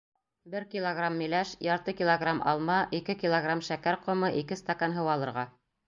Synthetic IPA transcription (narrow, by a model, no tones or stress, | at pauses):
bɘɾkʲilˠoɡramːĭlæʃjɑɾt̪ɤkʲilˠoɡramʔɑ̰lˠmɑʔikɘkʲilˠoɡramʃækæɾqŏmɤʔikɘst̪akanɦɤ̆wɑlˠɤ̆ɾʁɑ